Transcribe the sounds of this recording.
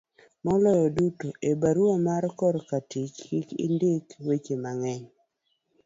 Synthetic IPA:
mɔlɔjɔdutoʔebaɾuamaɾkɔɾkatit͡ʃkikḭndɪkwet͡ʃemaŋɛɲ

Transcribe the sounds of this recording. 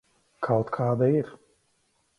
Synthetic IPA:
kʰawt̪kʰaːd̪aiɾ

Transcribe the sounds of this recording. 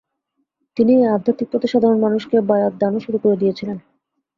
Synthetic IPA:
t̪iniead̪ʱat̪ik̚pɾot̪iʃad̪ʱaɾonmanuʃkebajat̪̚d̪anoʃuɾukoɾed̪ijet͡ɕʰilen

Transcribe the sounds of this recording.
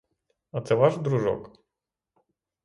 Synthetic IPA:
ɐt̪sɛʋɑʒd̪ɾuʒɔ̰k

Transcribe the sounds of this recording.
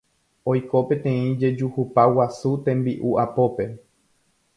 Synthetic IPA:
ojko̞pe̞t̪ẽ̞ĩd͡ʒe̞d͡ʒuhupawasut̪ẽ̞mbiʔuʔapo̞pe̞

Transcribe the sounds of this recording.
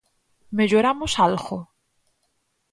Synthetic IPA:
meʎoɾamosalɣo

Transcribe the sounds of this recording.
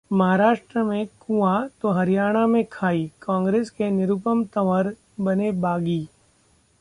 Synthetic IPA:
mɐɦaːɾaːʃʈɾəmẽkũat̪oɦɐɾijaːɽ̃amẽkʰaːikãːŋɡɾeːskenɪɾupəmt̪ɐʋəɾ | bɐnebaːɡiː

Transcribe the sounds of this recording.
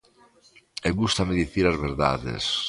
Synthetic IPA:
eβust̪ameðiθiɾazβeɾða̰ðḛs

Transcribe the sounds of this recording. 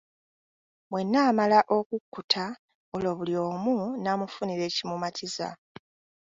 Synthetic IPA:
mwe̞nːaːmalaʔo̞kukːutʰa | olo̞βulio̞ːmunamufuniɾe̞ːcimumatʰiza̰

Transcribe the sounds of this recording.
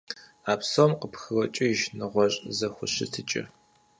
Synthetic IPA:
aːpsomqəpxɨwɐt͡ʃʼɪjɪʒnɨʁʷɔɕʼzɐxʷʊɕɪtʰɨt͡ʃʼɪ̰

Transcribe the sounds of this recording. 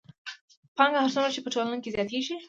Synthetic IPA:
pɑŋɡahaɾt͡sumɾat͡ʃepəʈolanokezjɑt̪eʒi

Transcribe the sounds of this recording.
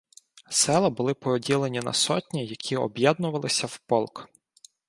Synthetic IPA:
sɛlˠɐbʊlˠɪpɾɔdʲilˠenʲinɐ̰sɔtʲnʲijɐkʲʰiɔ̰bjɛd̪nʊʋɐlˠɪsʲɐwpɔlˠk

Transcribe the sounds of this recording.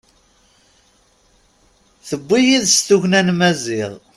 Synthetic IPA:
θəbːijiðst̪uʝnænmæziʁ

